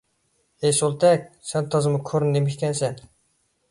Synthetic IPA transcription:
ejsolˠt̪ʰɛkʲsɛnt̪ʰɑzɨmʊkʲʰøɾnːemɪkʲkʲɛnsɛn

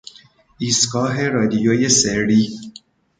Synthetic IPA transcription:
iːskɑːɦeɾɒːd̪ijoːjeseɽi

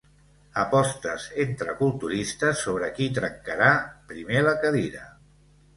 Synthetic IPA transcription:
əpɔst̪əzent̪ɾəkulˠt̪uɾist̪əsːoβ̞ɾəkit̪ɾəŋkəɾapɾimeləkəðiɾə

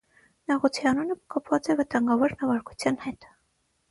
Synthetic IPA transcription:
nɑʁɔt͡sʰiɑnunəkʰɑpʰvɑt͡sɛvət̪ɑŋɡɑvɔɾnɑvɑɾku̥t͡sʰjɑnhɛt̪

